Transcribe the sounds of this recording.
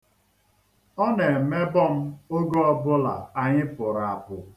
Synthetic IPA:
ɔ˦ne˨me˦bɔ˦˨m̩˦o˦ɡɔ˦ɔ˦bʊ˦la̰˨a˨ɲɪ˦pʊ˨ɾa˨a˨pʊ˨

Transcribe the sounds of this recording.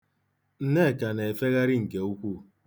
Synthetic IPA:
n̩˦ne˦˨ka˨ne˨e˨fe˦ɣa˦ɾɪ˦ŋ̩˨ke˨u˦kʷu˦

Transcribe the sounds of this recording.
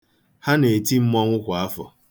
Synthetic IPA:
ha˦ne˨ti˦m̩˦mɔ˦ŋʷʊ˦kʷa˨a˦fɔ̰˨

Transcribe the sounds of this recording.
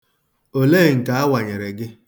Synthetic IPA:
o˨le˦˨ŋ̩˨ka˨a˦wa˨ɲe˨ɾe˨ɡɪ˦

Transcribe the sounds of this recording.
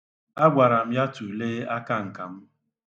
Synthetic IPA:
a˦ɡʷa˨ɾa˨m̩˦ja˦tu˨leː˦a˦ka˦ŋ̩˨ka˨m̩˦

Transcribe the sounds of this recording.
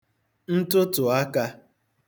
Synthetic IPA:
n̩˦tʊ˦tʊ˨a˦ka˦

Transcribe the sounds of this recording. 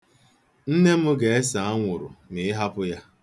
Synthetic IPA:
n̩˦ne˦m̩˦ɡe˨e˦sa˨a˦ŋʷʊ˨ɾʊ̰˨nɪ˨˦ɦa˦pʊ˦ja˦

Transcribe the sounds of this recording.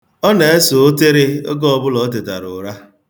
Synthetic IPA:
ɔ˦ne˨e˦so˨o˦te˦ɾɪ˦o̰˦ɡɔ˦ɔ˨bʊ˦lɔ˨˦t̬e˨ta̰˨ɾʊ̰˨ɾa˦

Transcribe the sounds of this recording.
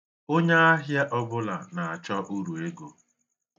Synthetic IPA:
o˦ɲa˦a˦ɦja˦ʔɔ˦bʊ˦la˨na˨a˨t͡ʃɔ˦ʔu˦ɾu˨e˦ɡo˨

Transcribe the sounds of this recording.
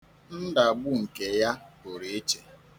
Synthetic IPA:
n̩˦da˨ɡ͡bʊ˦ŋ̩˨ke˨ja˦o˨ɾe˨e˦t͡ʃe˨

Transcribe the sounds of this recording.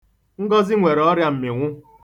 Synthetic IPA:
ŋ̩˦ɡɔ˦zɪ˦ŋʷe˨ɾɔ˦ɾja˦m̩˨mɪ˨ŋʷʊ˦

